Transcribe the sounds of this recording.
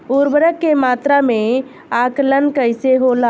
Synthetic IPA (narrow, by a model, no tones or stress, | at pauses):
uɾbəɾəkːemat̪ɾame | aklənkəjseɦola